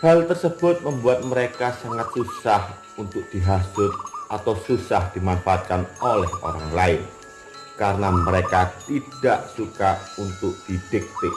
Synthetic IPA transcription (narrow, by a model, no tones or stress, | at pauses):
halt̪ərsəb̥ʊt̪̚məmbuat̪̚məɾekasaŋat̪̚susah | unt̪ʊk̚d̪̥iɦasʊt̪̚ʔat̪awsusahd̪̥i̤manfaʔat̪̚kanolɛho̰ɾaŋlaɪn | kaɾnaməɾekat̪id̥aʔsukaunt̪ʊk̚d̪̥id̪̥ɪk̚t̪ɪʔ